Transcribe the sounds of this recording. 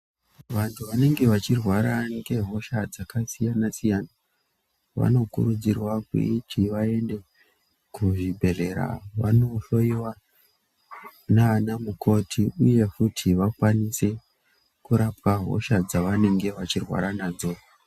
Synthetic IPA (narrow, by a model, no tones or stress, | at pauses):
ʋantʰuʋane̞ŋɡe̞ʋat͡ʃirwaɾaŋɡe̞ɦo̞ʃad͡zakasijanasijaːna | ʋa̰no̞kṵɾud͡zirwakwḭitʰiʋae̞nde̞ | kuʐibʱe̞re̞ɾa̰ʋa̰no̞ʃo̞iwa | naanamukʰo̞tʰiuje̞kutʰiʋakwanise̞ | kuɾap̚aɦo̞̰ʃad͡zaʋane̞ŋɡe̞ʋat͡ʃirwa̰ɾanaːzo̞